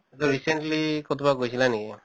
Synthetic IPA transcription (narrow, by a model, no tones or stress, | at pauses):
et̪ɔɾiseɳʈlikɔt̪ʰɔbaɡojt͡ʃʰilanike